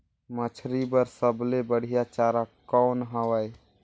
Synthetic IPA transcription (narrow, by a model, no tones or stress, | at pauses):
mət͡ʃʰɾibəɾsəblebəɽ̤ijat͡ʃaɾakɔːnɦəwəj